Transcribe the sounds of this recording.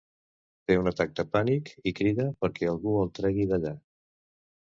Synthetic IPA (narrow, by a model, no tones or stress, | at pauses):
t̪eunət̪ak̚t̪əpanikikɾiðəpəɾkɛəlˠɣuəlˠt̪ɾɛɣiðəʎa